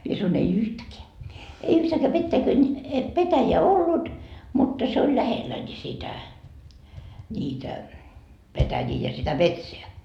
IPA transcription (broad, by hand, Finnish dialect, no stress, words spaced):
mie sɑnoin ei yhtækeæ ei yhtæːkæ petːæikøn petæjeæ olːut mutːɑ se olʲ læhelːæ nʲi sitæ nʲiːtæ petæjiː jɑ sitæ metseæ